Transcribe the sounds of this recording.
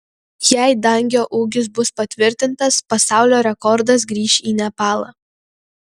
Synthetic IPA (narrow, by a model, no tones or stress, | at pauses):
jæɪd̪ɐŋʲɡʲoːʔuːɡʲɪsbʊspɐt̪ʲʋʲɪɾʲt̪ʲɪnt̪ɐspɐsɑˑʊlʲoːɾʲɛkɔɾd̪ɐs̬ɡɾʲiːʃʲiːnʲɛpɑːlˠɑː